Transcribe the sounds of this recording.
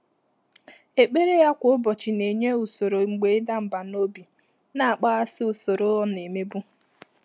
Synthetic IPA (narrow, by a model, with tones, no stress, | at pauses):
e˨k͡pe˦ɾe˦ja˦kʷʊ˨˦ʊ˦bɔ˨t͡ʃɪ˨ne˨ɲe˦u˨so˨ɾo˨ŋ͡m̩˨ɡ͡be˨˦ɪ˦da˦m̩˨ba˨no˦bi˨ | na˨a˨k͡pa˦a˦sɪ˦u˨so˨ɾo˦ɔ˦ne˨me˦bu˦